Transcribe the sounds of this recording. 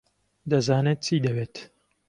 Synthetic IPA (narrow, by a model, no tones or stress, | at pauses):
d̪ɐzaːneːt̪̚t͡siːd̪ɐbeːt̪